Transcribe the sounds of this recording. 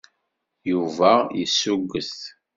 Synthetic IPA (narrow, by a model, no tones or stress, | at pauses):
juvæjəsːuɡːəst